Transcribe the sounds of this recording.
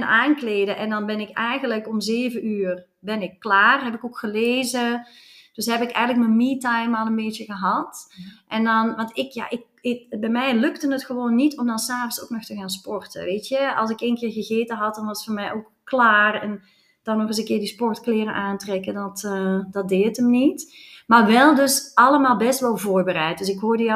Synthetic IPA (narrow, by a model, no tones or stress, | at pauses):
naːnkleːdəʔɛndɑnbɛnɪkɛjɣənləkɔmzeːvəyːr | bɛnɪkːlaːrɦɛpɪkokxəleːzə | d̥øsɦɛpɪəkɛ̰jɣənlək̚mənmitajmalˠənbeːtəɣəɦɑtʔɛndɔnʋɑntɪkja̰ʔɪk̚ | ɪbɛjmɛjlɵktənətxəʋoːnːitɔmdɑnsaːvənsoknɔxtəɣaːnspɔrtə̰ʋeːtjəɑ̰lˠsɪkeːnkɪːɹɣəɣeːtəɦɑt̚dɑnʋɑstfoːɹmɛjʔok | klaːrɛn | d̥ɑnːɔχəzəkɪːɹdispɔrtklɪːrənʔaːntrɛkədɑtːdɑt̚deːtəmnitmaːɹʋɛlˠdøsɑləmaːlˠbɛstʋɛlˠvoːrbərɛjt̚dɵsɪkɦoːɹdə